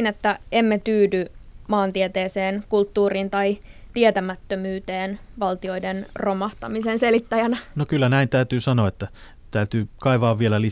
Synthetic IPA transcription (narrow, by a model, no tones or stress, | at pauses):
net̪ːæemːet̪yːdymɑːnt̪iet̪eːseːnkult̪ːuːrint̪ɑjt̪iet̪æmæt̪ːømyːt̪e̞ːnʋɑlt̪io̞idenro̞mɑht̪ɑmisense̞lit̪ːæjænɑnokylːænæint̪æyt̪yːsɑnoːet̪ːæ | t̪æyt̪yːkɑiʋɑːʋʋielæli